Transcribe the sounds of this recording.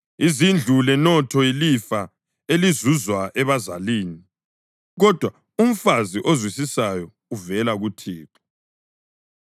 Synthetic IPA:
izind͡ɮʱulɛnɔtʰɔilifa | elizuzwaʔɛβaza̰liːni | ɣɔd̥ʱwa | um̩faziʔozwisisajɔ | uvɛlaɣutʰiːǁɔ̥

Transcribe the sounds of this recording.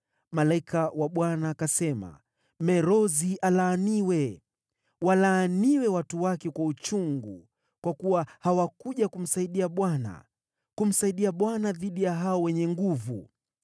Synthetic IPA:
malaikʰawaɓwanakasɛma̰ | mɛɾɔziʔalaːniwɛ | walaːniwɛwatuwakɛkwaut͡ʃuŋɡṵ | kwakuwahawakuʄakum̩saiɗiaɓwana̰ | kum̩saiɗiaɓwanaðiɗijaɦaɔwɛɲɛŋɡuvu

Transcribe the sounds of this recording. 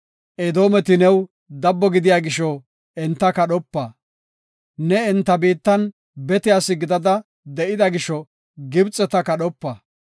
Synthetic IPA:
ʔɛd̪o̞ːmɛt̪ɪnɛw | d̪ɐbːɔɡɪd̪ɪjaːɡɪʃɔ | ɛnt̪ːɐkɐɗɔpːɐ | nɛɛnt̪ːɐbiːt̪ːɐn | bɛt̪ɪjaːsɪɡɪd̪ɐd̪ɐ | d̪ɛʔɪd̪ɐɡɪʃɔ | ɡɪbt͡sʼːɛt̪ɐkɐɗɔpːɐ

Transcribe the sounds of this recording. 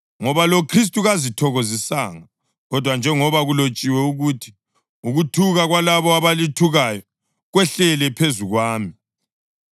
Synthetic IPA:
ŋɔβalokʰris̬tʼuɣazitʰɔɣozisaːŋa | ɣɔd̥ʱwand͡ʒʱɛŋɔβaɣulot͡ʃʼiwɛuɣutʰi̥ | uɣutʰuɣaɣwalaβɔaβalitʰuɣajɔ | ɣwɛɬɛlɛpʰezuɣwaːmi

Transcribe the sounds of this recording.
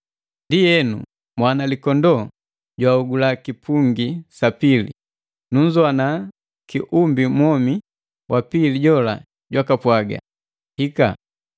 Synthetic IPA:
ndijɛnṵ | mwanalikɔndɔ | ɟwauɡulakipʰuŋɡisapilḭ | nuɲzɔana | kiʔumbimwɔmi | wʔapiliɟɔla̰ | ɟwakapwaɡa̰ | hika̰

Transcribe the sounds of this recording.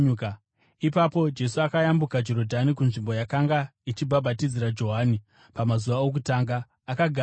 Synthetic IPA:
k | ipapo̞d͡ʒe̞suakajambukad͡ʒo̞ɾo̞dʱanikunʐimbo̞jakaŋɡait͡ʃibʱabʱatid͡ziɾad͡ʒo̞ɦaːni | pamazuʋaok̬utaːŋɡaː | kaɡʱa

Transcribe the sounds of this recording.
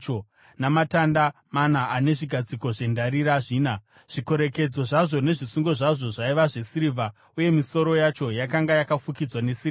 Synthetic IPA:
o | namatanda | manaʔane̞ʐiɡʱad͡ziko̞ʐe̞ndaɾiɾaʐiːna | ʐ̥iko̞ɾe̞ke̞d͡zo̞ʐaʐo̞ne̞ʐisuŋɡo̞ʐaʐo̞ʐaiʋaʐe̞siɾivʱa | uje̞miso̞ɾo̞jat͡ʃo̞jakaŋɡajakafukid͡zwanesiia

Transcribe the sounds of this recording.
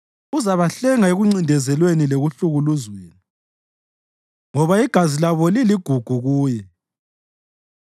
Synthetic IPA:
uzaβaɬɛŋaeɣuŋ͡ǀindʱɛzɛlwenileɣuɬuɣuluzweːni | ŋɔβaiɡ̥ʱazilaβɔliliɡ̥ʱuɡ̥ʱuɣuːjɛ

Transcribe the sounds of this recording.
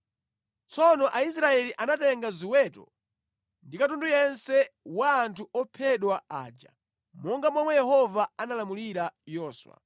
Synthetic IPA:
t͡sʰɔnɔʔais̬ɾaɛliʔanatɛŋɡaziwɛtɔ̰ | ndikatundujɛnsɛwaːntʰuɔpʰɛɗwaa̰ːd͡ʒa̰ | mɔŋɡamwamwɛjɛhɔvaanalamuliɾajɔːswa̰

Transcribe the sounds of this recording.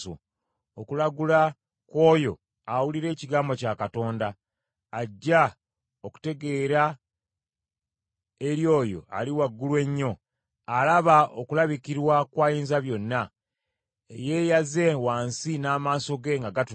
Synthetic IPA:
o̰ | okulaɡula | ko̞ːjo̞ | awuliɾe̞ːciɡaːmbo̞cakato̞ːndaː | ɟːa | oku̥te̞ɡe̞ːɾa | e̞ɾjo̞ːjo̞̰a̰liwaɡːulwe̞ɲːo̞ | alaβaokulaβikiɾwakwaːjiːnzaβjo̞nːa | eje̞ːjaze̞waːnsinaːmaːso̞ɡe̞ŋɡaɡatu

